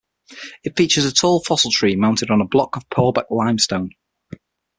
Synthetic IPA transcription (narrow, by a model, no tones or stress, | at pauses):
ɪtfiˑt͡ʃəzətʰɔːlˠfɒsəlˠtʰɹ̥iːmãʊ̃ntɪdn̩əblɒkəv̥pʰɔːba̰klãɪ̃mstõʊ̃n